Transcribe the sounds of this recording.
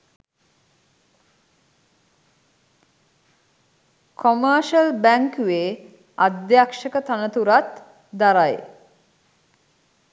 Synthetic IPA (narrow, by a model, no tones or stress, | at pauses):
kʰoməːʃəlbæŋkuʋeː | ad̪jakʃəkət̪anət̪uɾat̪ | d̪aɾaj